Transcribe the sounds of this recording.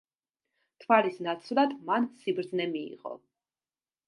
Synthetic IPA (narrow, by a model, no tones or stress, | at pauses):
t̪ʰvalisnat̪sʰvlˠad̪mansibɾd̪znɛmḭːʁɔ̰